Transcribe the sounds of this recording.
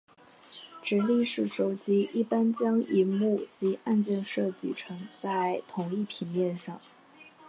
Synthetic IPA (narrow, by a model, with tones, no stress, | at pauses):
ʈ͡ʂɻ̩˧˥li˥˧ʂɻ̩˥˩ʂo˧˥ʊt͡ɕi˥i˥˩pa˥nt͡ɕjɑ˥ŋi˧˥mu˥˩t͡ɕi˧˥ʔa˥˧nt͡ɕjɛ˥˧nʂɤ˥˧t͡ɕi˥˩ʈ͡ʂʰɤ˧˥ŋt͡sa˥˩ɪt̪ʰʊ˧˥ŋi˥˩pʰi˧˩ŋjɛ˥˧nʂɑ˥˩ŋ